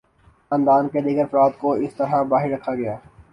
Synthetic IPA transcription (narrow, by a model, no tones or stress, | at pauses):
ɐ̃ːnd̪aːnked̪iːɡəɾɐfɾaːt̪koɪst̪ɐɾabaːɦɪɾːɐkʰaɡɐjaː